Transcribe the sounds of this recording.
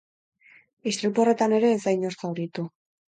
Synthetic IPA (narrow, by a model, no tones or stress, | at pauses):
ist̪ɾipore̞t̪ane̞ɾe̞ːzajɲoskawɾit̪u